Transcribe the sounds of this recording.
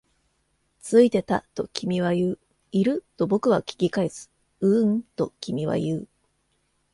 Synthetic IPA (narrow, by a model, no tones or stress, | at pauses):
t͡sɨit̪e̞t̪a̰t̪o̞kʲimʲiβ̞ajɯː | iɾɯ̟t̪o̞bo̞kɯ̟β̞akʲi̥ɡʲikaesɨ̥ | ɯ̟ɴt̪o̞kʲimʲiβa̰jɯː